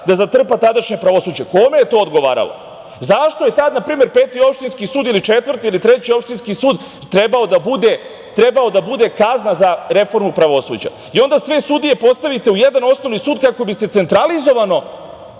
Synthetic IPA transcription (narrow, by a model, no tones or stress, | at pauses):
d̪azat̪r̩pat̪ad̪aʃɲepɾaʋo̞suːd͡ʑeko̞mejet̪o̞ːod̪ɡoʋa̰ːɾa̰lo̞̰ | zaʃt̪o̞je̞t̪ad̪napɾiːme̞ɾpeːt̪io̞pʃt̪inskisuːd̪ilit͡ʃe̞t̪ʋr̩t̪iilit̪ɾe̞t͡ɕio̞pʃt̪inskisuːd̪ | t̪ɾe̞bao̞d̪abud̪e̞ | t̪ɾe̞bao̞d̪abud̪e̞kaznazaɾe̞fo̞ɾmupɾaʋo̞sṵd͡ʑa̰ | io̞nd̪asʋe̞sud̪ije̞po̞st̪aʋit̪e̞ujed̪ano̞sno̞ʋnisuːd̪kako̞bist̪e̞t̪se̞nt̪ɾalizo̞ʋano̞